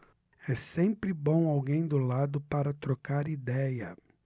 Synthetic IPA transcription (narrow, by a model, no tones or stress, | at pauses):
ɛsẽpɾɪbõw̃awɡẽj̃d̪ʊlad̪ʊpaɾɐt̪ɾokaɾid̪ɛjɐ